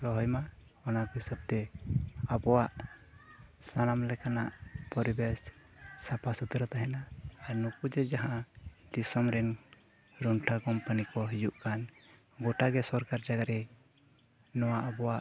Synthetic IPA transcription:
lɔɦɔjma | ɔnakisəb̚t̪ɛabɔwaʔ | sanamlɛkanaʔpɔɾibɛs | sapʰasut̪ɾat̪aɦɛnaːɾnupud͡ʒɛd͡ʒaɦãd̪isɔmɾɛn | ɾɔnʈʰakɔmpanikɔɦid͡ʒuʔkan | ɡɔʈaɡɛsɔɾkaɾd͡ʒaɡaɾɛ | nɔwaʔabɔwaʔ

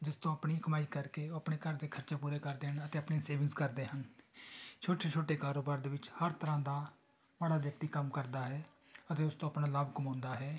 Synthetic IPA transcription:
d͡ʒɪst̪õːəpɳiːkəmaːiːkəɾkeːəpɳeːkəɾd̪eːkʰəɾt͡ʃeːpuːɾeːkəɾd̪eːɦənət̪eːəpneːseːʋɪŋskəɾd̪eːɦən | t͡ʃʰoːʈeːt͡ʃʰoːʈeːkaːɾoːbaːɾd̪eːʋɪt͡ʃhəɾt̪əɾãːd̪aː | ʋəɽaːʋjək̚t̪iːkəmkəɾd̪aːɦɛː | ət̪eːʊst̪õːəpnaːləbkəmõːnd̪aːɦɛː

